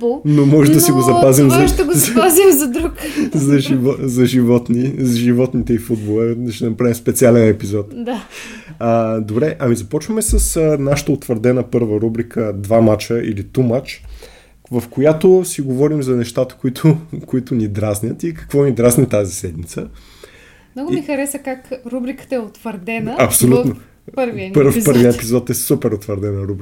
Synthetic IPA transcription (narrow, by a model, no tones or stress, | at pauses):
bˠnomɔʒɛd̪ɐsiɡozɐpazimzɐt̪ɡozazimzɐd̪ɾukzɐʒivɔzɐʒivɔt̪nizʒivɔt̪nit̪ɛifud̪̚bolˠɛd̪ɐʃɛɛnɐpɾavimspɛt̪sialɛnɛpizɔt̪d̪a | əd̪obɾɛʔɐmizɐpɔt͡ʃvəmɛsəsənaʃə̥t̪əot̪vəɾd̪ɛnəpɤɾvəɾubɾikʰəd̪vamat͡ʃəʔilit̪umat͡ʃ | vɐfkojat̪ʊsiɡovɔɾimzɐnɛʃt̪at̪ə̥kʊit̪ʰʊkʊit̪ʊnid̪ɾaznʲət̪ikɐ̥kvɔnid̪ɾaznʲit̪azisɛd̪mit̪sə | nɔɡʊmixɐɾɛsəkakɾubɾikə̥t̪əɛot̪vəɾd̪ɛnəɐpsolʲuno | pəɾviəəɾpɤɾvviəɛpizɔt̪ɛsupɛɾot̪vəɾd̪ɛnəɾubɾ